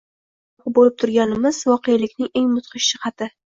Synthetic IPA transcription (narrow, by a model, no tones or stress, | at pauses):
qbolɪp̚t̪ʰʊɾɡʲanɪmɪz̥vɒqʰejalɪkʲnɪŋeŋmʊt̪qʰɨʃʃɪqɑt̪ʰɪ